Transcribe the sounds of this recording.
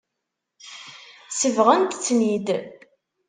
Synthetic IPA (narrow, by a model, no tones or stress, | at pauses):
səvʁənt̪t͡sːnid̪